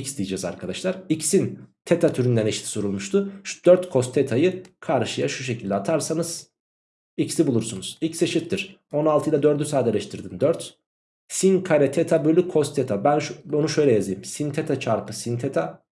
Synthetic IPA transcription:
icsd̪ijd͡ʒɛza̰ɾkʰad̪aʃlˠaɾicsint̪ʰet̪ʰat̪ʰyɾynd̪æneʃt̪ʰi̥soɾulˠmuʃt̪ʰud̪̥øɾt̪kʰo̞st̪ʰet̪ʰajɯkʰaɾʃɯjaʃuʃ̬e̞cʰilʲd̪ɛat̪ʰaɾsanɯz̥ | icsibulˠuɾsunuz̥icseʃit̪ʰːiɾ̥ | o̞nalˠt̪ɯilˠad̪ø̞ɾd̪ysaːd̪elʲɛʃt̪ʰiɾd̪ind̪øɾt̪ | sinkʰaɾʲɛt̪ʰet̪ʰabølʲykʰo̞st̪ʰet̪ʰabænonuʃø̞jlʲɛjazɯjɯmsint̪ʰet̪ʰat͡ʃʰaɾpʰɯsint̪ʰet̪ʰa

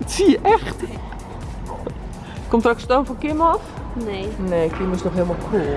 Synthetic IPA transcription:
ətsiəʔɛxt | komtrɔkstoːnfɔkɪmɔf | nneːkiməsnɔxɦeəlˠmɔlˠkrulˠ

